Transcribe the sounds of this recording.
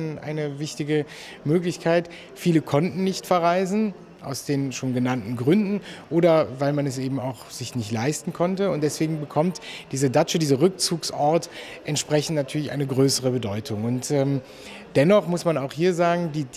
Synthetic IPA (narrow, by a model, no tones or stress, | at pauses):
nʔa̰ɪnəvɪçtɪɡə | møːklɪçkʰaɪt | fiːləkʰɔntn̩nɪçtfɛɐʁaɪzn̩ | ʔa̰ʊsd̥eːnʃoːnɡənantn̩ɡʁʏndn̩ʔoːɾɐvaɪlmanɛsʔeːbm̩aʊxz̥ɪçnɪçtlaɪstn̩kʰɔntəʊntd̥ɛsv̥eːɡŋ̩bəkʰɔmtd̥iːzɐdat͡ʃədiːzɐʁʏk̚t͡suːksʔɔɐtʔɛntʃpʁ̥ɛçn̩tnatʰyːɐlɪçʔa̰ɪnəɡʁøːsəʁ̞əbədɔʏtʰʊŋʊntɛːm | d̥ɛnɔχmʊsmanaʊxhiːɐzaːɡŋ̩diː